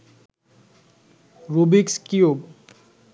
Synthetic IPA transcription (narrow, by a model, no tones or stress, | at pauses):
ɾubikskiob